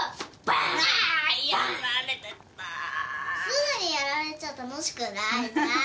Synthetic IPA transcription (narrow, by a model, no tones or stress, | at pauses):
p | jaɾaɾet̪et̪ːasɯnaɲʲijaɾaɾet͡ɕat̪anoɕi̥kɯ̟naina